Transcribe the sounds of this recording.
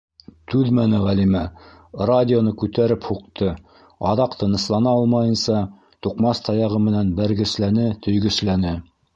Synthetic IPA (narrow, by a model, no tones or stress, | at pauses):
t̪ʉðmænɘʁælimæ | radʲɪonɤkʉt̪æɾɘphuqt̪ɤ | ɑðɑqt̪ɤ̆nɤ̆slˠɑnɑɑlˠmɑjɤ̆nsɑ | t̪uqmɑst̪ʰɑjɑʁɤmɘ̆nænbæɾɡɘ̆slænɘt̪ʰɵ̆jɡɵ̆slænɘ